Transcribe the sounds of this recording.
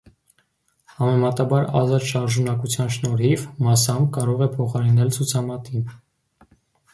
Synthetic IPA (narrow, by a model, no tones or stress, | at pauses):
hɑmɛmɑt̪ɑbɑɾɑ̰zɑt̪ʃɑɾʒunɑkut͡sʰjɑnʃnɔɾivmɑsɑmkɑɾɔʁɛpʰɔχɑɾinɛlt͡sʰut͡sʰɑmɑt̪in